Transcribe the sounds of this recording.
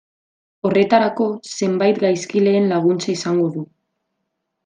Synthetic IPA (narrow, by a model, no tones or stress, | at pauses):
o̞re̞t̪aɾako̞se̞mbajt̪ɡajskile̞ːnlaɣ̞unt͡saisaŋɡo̞ðu